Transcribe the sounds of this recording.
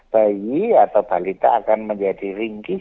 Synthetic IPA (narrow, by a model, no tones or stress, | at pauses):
b̥ajiat̪awb̥alit̪a̰ːkanməɲd͡ʒadiriŋki